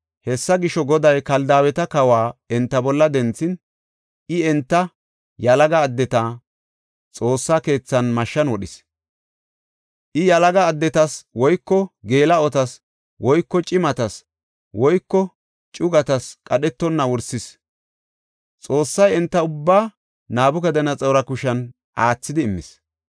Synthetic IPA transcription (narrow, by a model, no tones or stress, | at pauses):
hɛsːɐɡɪʃɔɡɔd̪ɐjkɐld̪aːwɛt̪ɐkɐwaːɛnt̪ːɐbɔlːɐd̪ɛnt͡sːɪn | ʔɪɛnt̪ːɐ | jɐlɐɡɐːd̪ːɛt̪aː | t͡sʼo̞ːsːake̞ːt͡sːɐnmɐʃːɐnwɔɗɪs | ʔɪjɐlɐɡɐːd̪ːɛt̪ɐswɔjkːɔɡe̞ːlɐɔt̪ɐs | wɔjkːɔt͡ʃʼɪmɐt̪ɐs | wɔjkːɔ | t͡ʃʼʊɡɐt̪ɐskʼɐɗɛt̪ːɔnːɐwɔɾsɪs | t͡sʼo̞ːsːɐjɛnt̪ːɐʊbːaː | naːbʊkɐd̪ɐnɐt͡sʼɐwɾɐkʊʃɐn | ʔaːt͡sːɪd̪ɪːmːɪ̰s